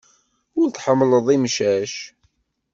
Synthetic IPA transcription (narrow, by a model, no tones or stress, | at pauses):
ʊɾt̪ħəmːləðˤimʃæʃ